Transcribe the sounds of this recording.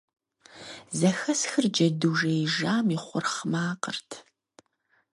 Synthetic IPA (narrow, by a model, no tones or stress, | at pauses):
zɐxɐsxɨrd͡ʒɐduːʒejʒaːmiχʷʊrχmaːqərtʰ